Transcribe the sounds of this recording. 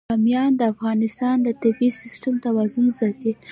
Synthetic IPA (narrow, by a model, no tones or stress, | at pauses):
amjɑnd̪əafɣɑnɪst̪ɑnd̪ət̪ɪbisɪsʈʊmt̪awazʊnzɑt̪e